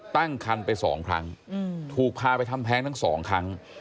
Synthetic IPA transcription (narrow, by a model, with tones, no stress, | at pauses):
t̪a˥˩ŋkʰa˧npa˧jsɔ̰ː˩˦ŋkʰɾa˦˥ŋ˧t̪ʰuː˨˩k̚pʰaː˧pa˧jt̪ʰa˧mpʰɛː˦˥ŋt̪ʰa˥˩ŋsɔː˩˦ŋkʰa˦˥ŋ